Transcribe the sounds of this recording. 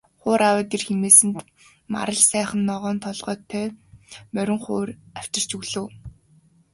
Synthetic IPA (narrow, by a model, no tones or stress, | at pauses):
χʊːɾawəːt̪iːrxemeːsɘ̆nt̪ | ma̰ɾə̆ɮsæːχə̆nːɔʁɔːnt̪ʰɔɮʁœːt̪ʰœːmœɾʲɪ̆ŋχʊːraw̥t͡ɕɪ̆r̥t͡ɕɵɣɮɘ̆ː